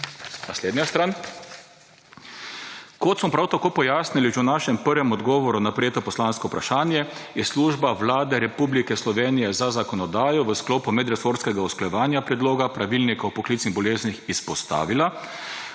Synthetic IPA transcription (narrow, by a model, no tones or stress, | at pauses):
nasleːd̪njast̪ɾaːn | kɔt̪smɔpɾawt̪akoːpɔjaːsniliʒɛwnaːʃɛmpəɾʋɛmɔd̪ɡɔːʋɔɾunapɾɛjeːt̪ɔpɔslaːnskɔupɾaʃaːnjɛjɛsluːʒbaʋlaːd̪ɛɾɛpublikɛslɔʋeːnijɛzazakɔnɔd̪aːjɔʋəskloːpumɛd̪ɾɛsoːɾskɛɡaɔsklɔjɛʋaːnjapɾɛd̪loːɡapɾaʋilnikawpɔklit̪niɣbɔleːznixispɔst̪a̰ːʋila